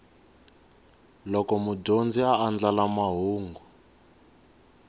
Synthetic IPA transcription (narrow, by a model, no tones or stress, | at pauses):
lɔkɔmudond͡ziaːnd͡ɮalamaɦuːŋɡu